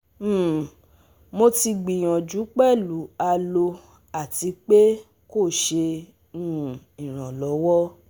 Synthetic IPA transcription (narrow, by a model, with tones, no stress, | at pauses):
mo˧ti˧ɡ͡bi˨j̃ã˨d͡ʒu˨˦k͡pɛ˦˨lu˨˦a˧lo˧ | a˦˨ti˧˦k͡pe˦ | ko˦˨ʃe˧ | ũ˦˨ | i˨ɾ̃ã˨lɔ˨˦wɔ˦